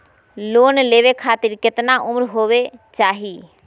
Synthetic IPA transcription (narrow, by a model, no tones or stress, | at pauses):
loːnleːʋekʰaːt̪ɪɾkɪt̪naʔʊmɾɦoːʋet͡ʃaːɦiː